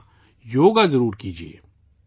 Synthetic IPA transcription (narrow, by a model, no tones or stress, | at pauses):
joːɡazəɾuːɾkiːd͡ʒiḛː